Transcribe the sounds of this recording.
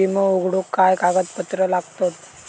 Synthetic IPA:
iməuɡɽukːajkaɡət̪pət̪ɾəlaɡt̪ot̪̚

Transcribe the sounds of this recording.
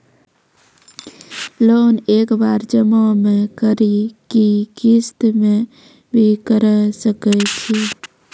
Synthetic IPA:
loːneːkbaɾd͡ʒəmomekəɾikikist̪mẽ | bʱikəɾsəkɛt͡ʃʰi

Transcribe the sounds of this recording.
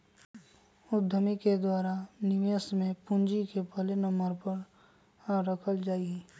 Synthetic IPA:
ʊd̪ʱːəmiked̪waːɾanɪʋjəsmẽpʊ̃nd͡ʒikepəlenəmbəɾpəɾ | aɾəkʰəld͡ʒaːiɡɛ

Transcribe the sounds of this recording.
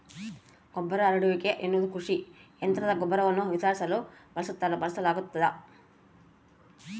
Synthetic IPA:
ɡ̥ɔbːɐɾɐːɾɐɽuʋikeʔenːud̪ukuʂi | ent̪ɾɐd̪ɐɡɔbːɐɾɐʋɐnːuʋitaːɾsɐlub̥ɐlɐsut̪ːalubɐlɐsɐlaːɡut̪ːɐd̪ɐ

